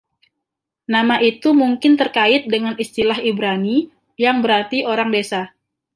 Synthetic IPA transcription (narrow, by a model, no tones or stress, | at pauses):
namaʔit̪umuŋkɪnt̪ərkaɪt̪̚dəŋanist̪ilaɦibɾani | jaŋbəɾart̪ioɾaŋdesa